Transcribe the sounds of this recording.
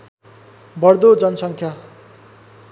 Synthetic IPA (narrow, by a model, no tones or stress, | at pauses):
bʌrd̪od͡zʌnʌsʌŋkʰja